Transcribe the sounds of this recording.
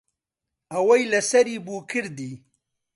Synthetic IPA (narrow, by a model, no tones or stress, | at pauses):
awajlasɐɾibuːkʰiɾd̪i